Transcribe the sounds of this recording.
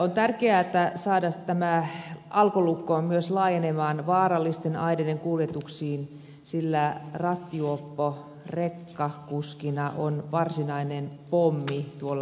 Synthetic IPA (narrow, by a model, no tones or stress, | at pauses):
ont̪ærkeæet̪ːæsɑːdɑst̪æmæɑlkolukːoːmyøslɑːjenemɑːnʋɑːrɑlːist̪enɑidedeŋkuljet̪uksiːn | silːærɑt̪ːiuopːo | rekːɑkuskinɑʔonʋɑrsinɑinenpomːit̪uolːɑ